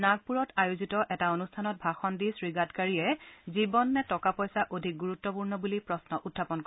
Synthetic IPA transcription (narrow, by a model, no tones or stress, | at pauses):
naɡ̚puɹɔtajozitɔʔɛtaonustʰanɔt̚bʱaxɔndisɹiɡadkaɹiɛzibɔnːɛtɔkapɔjsaʔodʱik̚ɡuɹutːɔpuɹnɔbulipɹɔsnɔʔutʰːapɔnk